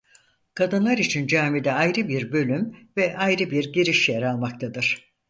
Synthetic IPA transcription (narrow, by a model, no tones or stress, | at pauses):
kʰad̪ɯnlˠaɾit͡ʃʰind͡ʒaːmid̪ɛajɾɯbiɾbø̞lʲymvɛʔajɾɯbiɾɟiɾiʃjeɾalˠmak̚t̪ʰad̪ɯɾ̥